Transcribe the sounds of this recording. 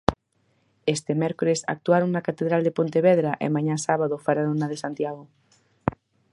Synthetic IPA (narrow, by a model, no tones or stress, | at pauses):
est̪emeɾkolesa̰k̚t̪uaɾoŋnakat̪eðɾald̪epont̪eβeðɾaʔḛmãɲasaβaðofaɾanonað̞esant̪jaɣ̞o